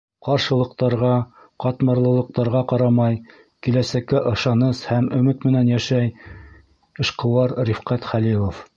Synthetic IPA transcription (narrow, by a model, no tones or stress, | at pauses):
qɑɾʃɤ̆lˠɤ̆qt̪ɑɾʁɑ | qɑt̪mɑɾlˠɤ̆lˠɤ̆q̚t̪ɑɾʁɑqɑɾɑmɑj | kilæsækːæʔɤ̆ʃɑnɤshæmɵ̆mɘt̪mɘ̆nænjæʃæj | ɤ̆ʃqɤ̆wɑɾɾifqæt̪χælilˠof